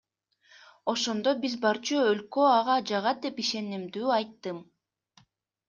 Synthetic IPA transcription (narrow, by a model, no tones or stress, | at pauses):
o̞ʃo̞nd̪obizbɑɾt͡ʃuølkøɑʁɑd͡ʒɑʁɑd̪e̞piʃe̞nimd̪yːɑjt̪ːɯm